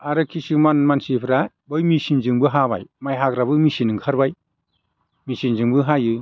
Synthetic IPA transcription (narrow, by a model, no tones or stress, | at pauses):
aɾɯkʰisɯmanmansipʰɾa | bɯjmisinzɯŋbɯɦaβa̰jmajɦakɾaβɯmisinɯŋkʰaɾbaj | misinzɯŋbɯɦajɯ